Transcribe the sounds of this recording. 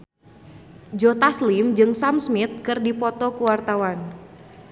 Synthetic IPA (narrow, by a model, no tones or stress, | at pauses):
d͡ʒɔt̪aslimd͡ʒɨŋsamsmit̪̚kɨrdipɔt̪ɔkuwart̪awan